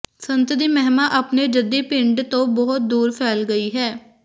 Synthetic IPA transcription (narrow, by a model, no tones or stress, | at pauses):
sənt̪d̪iːmɛɦmaːʔəpneːd͡ʒəd̪iːpɪ̃ɳɖt̪õːbɔɦt̪̚d̪uːɾpʰɛːlɡəiːɦɛː